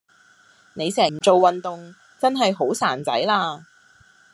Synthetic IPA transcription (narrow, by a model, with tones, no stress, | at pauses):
ne˨˧jsɛː˨˩m̩˨˩t͡so˨wːɐ˨nt̪ʊ˨ŋ | t͡sɐ˥nɦɐ˨jɦo˨˥wsaː˨˩nt͡sɐ̰˨˥jlaː˧